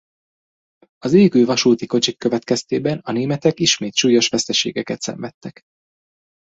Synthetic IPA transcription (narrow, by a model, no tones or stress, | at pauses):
ɒzeːɡøːvɒʃuːt̪iko̞t͡ʃikːøvɛt̪kɛst̪eːbɛnɒneːmɛt̪ɛkiʃmeːt̪ʃuːjo̞ʃʋɛst̪ɛʃḛːɡɛkɛt̪sɛ̰ɱvɛt̪ːɛk